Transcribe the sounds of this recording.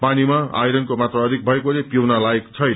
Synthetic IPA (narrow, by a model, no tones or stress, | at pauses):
panimaa̰jɾʌnkomat̪rʌʌd̪ʱik̚bʱʌekolepjewnalaekt͡sʰʌj